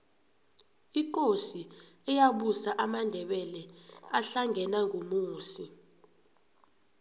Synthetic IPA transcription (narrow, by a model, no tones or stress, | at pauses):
ik̬ʼosiɛjaɓusaʔamandʱɛɓɛlɛaɬaŋɡʱɛnaŋʱomuːsi